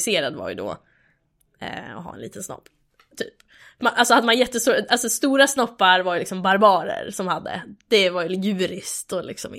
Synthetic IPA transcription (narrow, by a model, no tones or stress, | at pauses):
seːɾad̪va̰ɾjɵ̰d̪ɔ̰ | ɔ̰ɦɑ̰ːɛnlḭːt̪ənsnɔ̰pː | t̪ʰyːp | maʔalsɔhad̪ːəmanjɛt̪ːəst̪uːɾaʔalsɔst̪uːɾasnɔpːaɾvaɾjʏlɪksɔmbaɾbɑːɾə̰ɾsɔmhad̪ːə̰d̪̥ɛvajjʉ̟ːɾɪst̪ɔlɪ̰ksɔ̰m